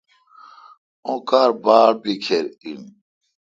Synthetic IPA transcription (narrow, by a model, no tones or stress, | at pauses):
õkaːɾbaːɾbikʰeɾin